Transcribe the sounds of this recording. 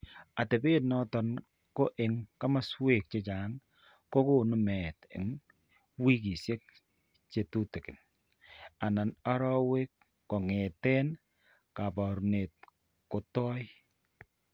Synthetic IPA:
a˨te˨be˦tnɔ˦tɔ˨n | ko˦ʔɪ˨ŋka˦ma˦swe˦˨k̚t͡ʃe˦t͡ʃa˨˦ŋ | ko˦ko˦˨nu˨mɛ˨tɪ̰˨ŋ | wi˦ki˨sje˦k̚ | t͡ʃe˨tu˦te˨kɪ˨n | a˨na˨na˦ɾɔ˦we˦kː | ɔ˨ŋe˨tɛ˦n | ka˨pɔ˨ɾne˨t̚ | ko˨tɔ˦j

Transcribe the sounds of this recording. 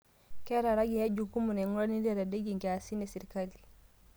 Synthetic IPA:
kɛ˦ɾa˨ɾa˦ɡi˨ja˦d͡ʒu˨ku˦mu˨ne˨ŋu˦lo˦ni˦de˦ɾa˨de˦ɡi˨ŋɡɛ˨a˨si˦ne˨si˨ɾkali

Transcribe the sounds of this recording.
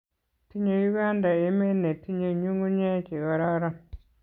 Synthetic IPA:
ti˦ɲe˨ju˦ɡa˦nda˨e˦me˦ne˨ti˦ɲe˨ɲu˦ŋu˦ɲa˦ke˨ɣa˨ɾa˦ɾa˦

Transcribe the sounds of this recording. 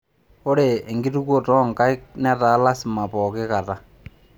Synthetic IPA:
o˦ɾeː˨ŋɡi˦tu˦kwo˦˨tɔ˦˨ŋka˦ɪ˦k̚nɛ˦ta˨˦la˦sma˨pɔ˨kɪ˦ka˨ta˦

